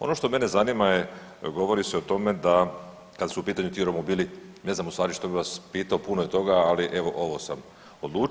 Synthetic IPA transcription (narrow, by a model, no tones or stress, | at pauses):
o̞̰no̞ʃt̪o̞me̞ne̞zanimajeɡo̞ʋo̞ɾiseot̪o̞me̞d̪a | kad̪asuupiːt̪aɲut̪ioɾomobiːline̞znamust̪ʋaːɾiʃt̪o̞biʋaspiːt̪aopunojet̪o̞ɡaːliʔe̞ʋo̞ʔo̞ʋo̞sam | o̞d̪lˠuː